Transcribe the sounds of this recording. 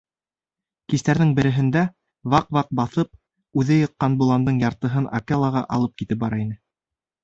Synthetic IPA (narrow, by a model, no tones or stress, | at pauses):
kist̪æɾðɘŋbɘ̆ɾɘ̆ɦɘ̆nd̪æ | vɑqvɑq̚bɑθɤp̚ | ʉðɘjɤ̆qːɑnbulˠɑnd̪ɤɴjɑɾt̪ɤ̆ɦɤna̰kelˠɑʁɑʔɑ̰lˠɤp̚kit̪ɘp̚bɑɾɑinɘ